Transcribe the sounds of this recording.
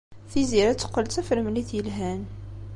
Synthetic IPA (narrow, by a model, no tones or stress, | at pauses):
θiziɾæt͡sːə̥qːəlt̪æfəɾmliθjəlɦæn